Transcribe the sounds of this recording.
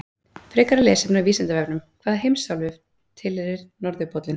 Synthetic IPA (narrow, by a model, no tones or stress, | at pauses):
fɾɪːkaɾalɛːsɛpnaviːsɛnt̪avɛpnʏmkʰvaːðɦejmsawlvɪv | t̪ʰɪlhɛɾɪɾnɔɾðʏpɔt̪lɪn